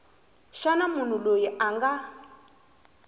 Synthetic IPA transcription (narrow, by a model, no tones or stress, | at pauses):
ʃanamun̤ulojiʔaŋɡa